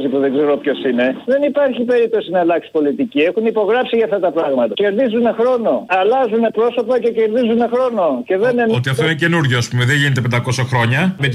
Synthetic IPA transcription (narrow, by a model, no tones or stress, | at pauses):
zipuðe̞ŋɡze̞ɾo̞pço̞sine̞ðe̞nipɐɾçipe̞ɾip̚t̪o̞sinɐlɐksi̥po̞lit̪icie̞xunipo̞ɣɾɐpsiʝɐft̪ɐt̪ɐpɾɐɣmɐt̪ɐce̞ɾðizunexɾo̞no̞ɐlɐzune̞pɾo̞so̞pɐce̞ce̞ɾðizune̞xɾo̞no̞ce̞ðenenot̪iɐft̪oinece̞nuɾʝoɐspumeðeʝinet̪epend̪ɐko̞sɐxɾo̞ɲɐmet̪